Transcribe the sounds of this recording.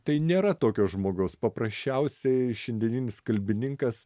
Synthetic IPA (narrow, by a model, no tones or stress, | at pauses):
t̪ɐɪnʲeːɾɐt̪oːkʲoːsʒmoːɡɐʊspɐpɾɐsʲt͡ʃʲɛʊsʲɛɪʃʲɛnʲd̪ʲɛnʲiːnʲɪskɐlʲbʲɪnʲɪŋkɐs